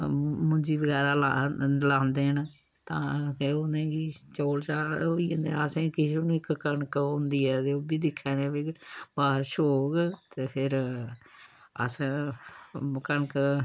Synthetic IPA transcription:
mʊ̃nd͡ʒiːbəɡɛːɾaːlalãːnd̪eːən | t̪ãːt̪eõnd̪ẽːɡiːt͡ʃoːlt͡ʃaːoiːõːnd̪eəsẽːkɪseːnũːɪkkəɳkõːnd̪iːɛːt̪eːoːbiːd̪ɪkʰːɛːneːbiɡbaːɾʃoːɡt̪eːpʰɪɾ | ə̰sẽ | kəɳk

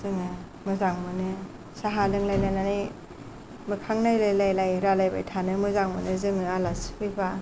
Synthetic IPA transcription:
zɯŋɯ | mɯzaŋmɯnɯ | saɦalɯŋlajnananaj | mɯkʰaŋnajlajlajlajɾalajba̰jtʰanɯmɯzaŋmɯnɯzɯŋɯalaspʰɯjba

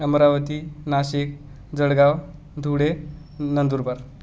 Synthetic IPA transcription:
əmɾaʋət̪iːnaɕik̚ | d͡zəɽɡaw | d̪ʱuɽe | nənd̪uɾbəɾ

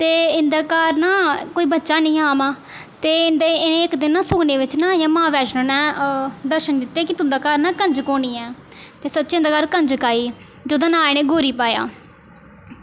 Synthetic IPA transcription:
t̪eːɪnd̪aːkaːɾnaːkoːiːbətːʃaːnəĩːaːmãː | t̪eːɪnd̪eːɪnẽːɪkd̪ɪnːaːsʊɡneːʋɪt͡ʃnãːjãːmãːʋɛːt͡ʃnõnɛ̃ːd̪əɾʃənd̪ɪt̪ːeːkɪt̪ʊnd̪aːkaːɾnãːkəɲd͡ʒkoːniːɛːt̪eːsətːt͡ʃːɪ̃nd̪aːkaːɾkəɲd͡ʒkaːiː | d͡ʒoːd̪ãːnãːeñẽːɡoːɾiːpaːja̰ː

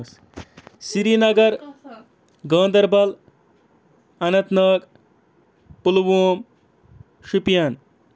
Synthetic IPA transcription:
s | siɾinɐɡɐɾ | ɡʌ̃ːnd̪ɐɾbɐl | ɐnɐt̪nʌk | pulwoːm | ʃupijan

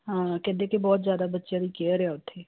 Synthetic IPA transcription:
ɦãːkɛ̃ːnd̪eːkebɔːt̪zjaːd̪aːbətːʃaːd̪iːkɛɾɪaːʊt̪ʰːeː

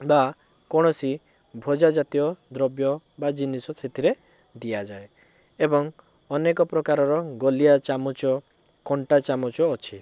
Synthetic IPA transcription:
ba | kɔɽ̃ɔsi | bʱɔd͡ʒad͡ʒat̪ijɔd̪ɾɔbjɔ | bad͡ʒinisɔt͡ʃʰet̪iɾe | d̪ijad͡ʒae | ebɔŋ | ɔnekɔpɾɔkaɾɔɾɔɡɔlijat͡ʃamɔt͡ʃɔ | kɔɳʈat͡ʃamɔt͡ʃɔːt͡ʃʰi

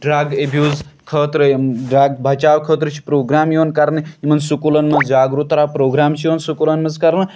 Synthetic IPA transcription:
ɖɾaːɡebʱjuːzkʰəːt̪ɾəɖɾaːɡbʱɐt͡ʃaːʋkʰəːt̪ɾət͡ʃʰi̥pɾoːɡɾaːmjoːnkɐɾnɨimɐnsukulɐnmɐzd͡ʒaːɡɾut̪ɾaːpɾoːɡɾaːmt͡ʃʰijonsukulɐnmɐzkɐɾnɨ

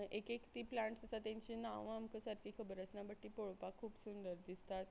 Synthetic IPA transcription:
ekekt̪iːplãɳʈsəsat̪jãɲt͡ɕinaʋamkəsəɾfiːkʰəbəɾəsnabəʈːiːpoɭpakʰːuːpsund̪əɾd̪ist̪at̪

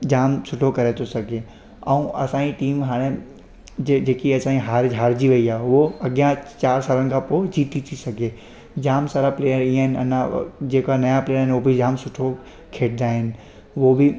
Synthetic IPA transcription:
d͡ʑaːmsʊʈʰokɐɾet̪ʰosɐɡʱe | ɛ̃ũʔɐsãːiʈiːmɦaːɽ̃e | d͡ʑed͡ʑeːkiɐsãːĩɦaːɾɦaːɾd͡ʑiʋɐiaːɦʊoɐɡijãt͡ɕaːɾsaːlənɪ̆kʰãːpoːd͡ʑiːt̪ʰit̪ʰisɐɡʱe | d͡ʑaːmsaːɾapleːəɾĩːə̃ɦɪnɪ̆ɐ̰nãd͡ʑeːkanɐjapleːəɾɦɪnobɪd͡ʑaːmsʊʈʰo | kʰeːʈɪd̪aːɦɪnɪ̆ | ʋobɪ

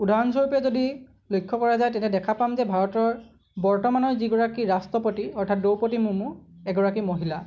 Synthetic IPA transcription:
udʱaɹɔnsɔɹupɛzodi | lojkʰːɔkɔɹazajtɛnɛdɛkʰapamzɛbʱaɹɔtɔɹ | bɔɹtɔmanɔɹziɡɔɹakiɹastɹɔpotiɔɹtʰat̚dowpotimʊmʊɛɡɔɹakimoɦila

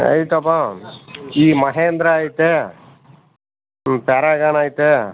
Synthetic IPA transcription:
ɐ̰jt̪ɐpã | iːmɐɦeːnd̪ɾɐaːjt̪e | paɾaːɡaːnaːjt̪e

